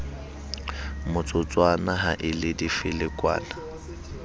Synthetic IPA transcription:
mʊt͡sʼʊt͡sʼwanaɦaʔɪlɪdifɪlɪkʼwa̰ːna

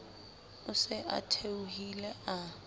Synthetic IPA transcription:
ʊsɪʔa̰tʰeuhilɛa

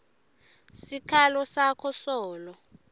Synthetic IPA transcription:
sikʰalɔsakʰɔsɔːlɔ

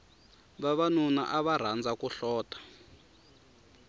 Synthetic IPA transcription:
βaβanuna̰ʔaβar̤and͡zakuɬɔːtḁ

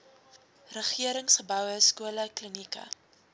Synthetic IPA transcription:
rəχiəɾəŋsχəbœwəskuələklənikɐ̰

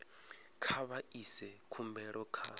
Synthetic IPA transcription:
kʰaβaisɛkʰumbɛɺɔkʰa

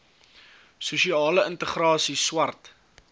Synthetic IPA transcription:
suʃiɑːləəntəχrɑːsiswɐrt

